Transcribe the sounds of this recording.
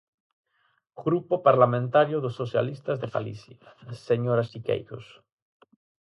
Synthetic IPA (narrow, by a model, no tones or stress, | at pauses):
ɡɾupopaɾlamẽnt̪aɾjoðosːoθja̰list̪azðefa̰lḭθjaseɲoɾasikḛjɣo̰s